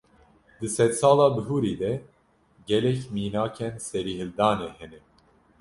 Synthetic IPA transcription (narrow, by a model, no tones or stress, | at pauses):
d̪ɨsɛt̪sɑːlɑːbɨɦuːɾiːd̪ɛ | ɡɛlɛkmiːnaːkʰɛnsɛɾiːhɨld̪ɑːneːhɛnɛ